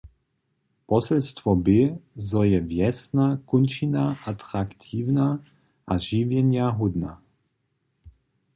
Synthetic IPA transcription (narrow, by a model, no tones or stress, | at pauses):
pɔsɛlst̪vɔbɪzɔjɛvjɛsnakunt͡ʃinaʔat̪ɾakt̪ʰiːwna | ʔaʒivjɛnjaɦud̪na̰